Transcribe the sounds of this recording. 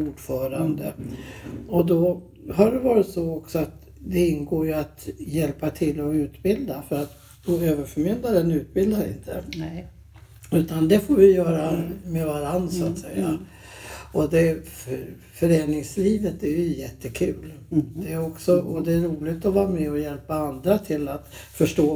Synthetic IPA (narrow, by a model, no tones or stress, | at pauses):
uːɖfœːɾand̪ə̰ | ɔd̪ɔ | ɦaɖɛvɑːɾɪt̪sɔɔksɔat̪ | d̪ɛɪnɡoːɾjɵat̪jɛlpat̪ʰɪlːɔʉ̟ːt̪bɪld̪afœɾat̪ | boøːvəɾfœɾmɪnd̪aɾənʉ̟ːt̪̚bɪld̪aɾɪ̰nt̪ʰə̰ | ʉ̟ːt̪and̪ɛfoːɾvɪjœːɾamɛvaɾand̪sʊat̪sɛjːa̰ | ɔd̪ɛ | fœɾeːnɪŋsliːvət̪æɾjɵjɛt̪ːəkʰʉ̟ːld̪ɛːɾɔksɔʔɔd̪ɛːɾuːlɪɡt̪ɔvɑːɾamɛɔjɛlpaand̪ɾat̪ʰɪlːat̪fœʂʈoː